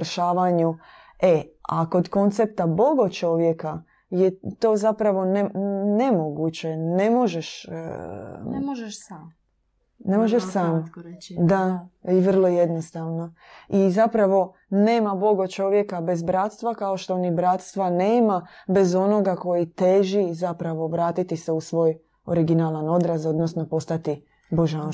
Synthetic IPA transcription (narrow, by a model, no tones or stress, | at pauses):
ʃaːʋaɲu | e̞ako̞d̪ko̞nt̪sep̚t̪abo̞ɡot͡ʃo̞ʋje̞ka | jet̪o̞ːzapɾaʋo̞nene̞moɡut͡ɕene̞mo̞ʒeʃ | ʒ | ne̞moʒeʃsaːmd̪aiʋr̩lˠo̞je̞d̪nost̪aʋno̞ | izapɾaʋo̞ | ne̞ːmabo̞ɡot͡ʃo̞ʋjekabe̞zbɾat̪st̪ʋakaoʃt̪o̞onibɾat̪st̪ʋaneːmabe̞zo̞no̞ɡako̞jit̪eʒizapɾaʋo̞ʋɾaːt̪it̪iseusʋo̞ːj | oɾiɡinalˠano̞d̪ɾazod̪nosno̞po̞st̪at̪i | bo̞ʒan